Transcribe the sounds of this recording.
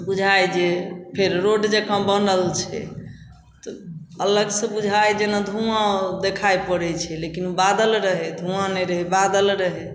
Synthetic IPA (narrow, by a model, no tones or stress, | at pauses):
bud͡ʒʱajd͡ʒepʰeɾɾoɖd͡ʒekãbənəlt͡ʃʰɛ̰ | t̪ɔələɡsə̃bud͡ʒʱajd͡ʒenad̪ʱũãd̪ekʰajpəɽɛt͡ʃʰɛlekinubad̪əlɾəɦɛd̪ʱũãnɛɾəɦɛbad̪əlɾəɦɛ